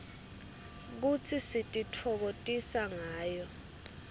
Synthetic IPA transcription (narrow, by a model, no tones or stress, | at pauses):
k̬ut͡sʰisitʼitʰɔk̬otʼisaŋaːjɔ